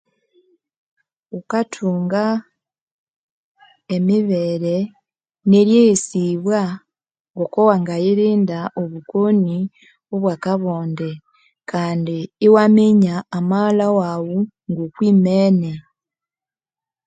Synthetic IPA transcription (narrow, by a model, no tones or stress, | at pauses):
ukatʰuːŋɡa | emiβeɾe̞ | neɾjejisiβwa | ŋɡokowaŋɡajiɾiːndaʔoβukoni | o̞βwaːkaβoːnde | kʰaːndiːwameɲaːmaːlawawu | ŋɡokwiːmeːne